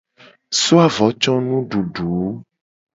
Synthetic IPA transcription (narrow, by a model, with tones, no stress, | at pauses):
so˦a˨vɔ˨˦t͡ʃɔ˦nũ˦ɖu˨ɖu˨˦